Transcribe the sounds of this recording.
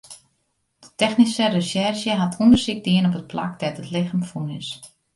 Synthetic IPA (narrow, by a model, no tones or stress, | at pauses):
d̥ə̥tɛxnisərəsɛrʃjəɦatʰundərsɪk̚diənɔp̬ət̚pla̰k̚dɛtətlɪxəmfunɪs